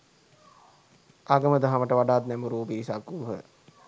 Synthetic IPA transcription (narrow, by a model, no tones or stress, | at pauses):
aɡəməd̪aɦaməʈəʋaɖaːt̪nɛmuɾuːbisakːuːɦə̰